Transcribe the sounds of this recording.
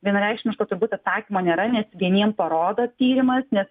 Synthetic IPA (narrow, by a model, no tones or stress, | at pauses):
ʋʲiɛnɐɾʲɛɪkʃʲmʲɪʃkoːt̪ʊɾbuːt̪ʲɐt̪sɑːkʲimoːnʲeːɾɐnʲɛsʋʲiɛnʲiɛmpɐɾoːd̪ɐt̪ʲiːɾʲɪmɐsnʲɛs